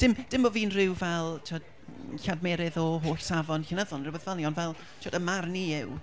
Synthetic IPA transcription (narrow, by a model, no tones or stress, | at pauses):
d̥ɪmd̥ɪmbɔviːnrɪwvɛlˠtʰɔd | ɬadmɛɾɨðɔɦoːɬsavɔnɬənəðɔnruwbeðvɛlˠniɔnvɛlˠ | tʰiɔdəmarniɪw